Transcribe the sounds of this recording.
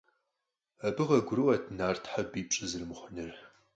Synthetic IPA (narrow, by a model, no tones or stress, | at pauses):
ɐbɨʁɐɡʷʊɾɨwɐtʰnaːrtʰħabiːpt͡ʃʼɪzɨrmχʷʊnɨr